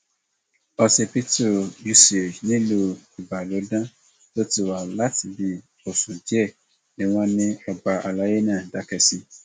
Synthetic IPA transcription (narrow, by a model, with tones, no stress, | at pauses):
ɔ˧se˨pi˦tu˨ju˦si˨e˨d͡ʒnĩ˦lu˦i˨ba˨lo˨˦dã˦ | to˦ti˨wa˨la˦tbi˨ | o˨sũ˨d͡ʒi˦ɛ˦˨ | nɪ̃˨w̃ɔ̃˦nɪ̃˦ɔ˨ba˨ʔa˨la˨˦je˦nã˦˨da˨˦kɛ˨si˧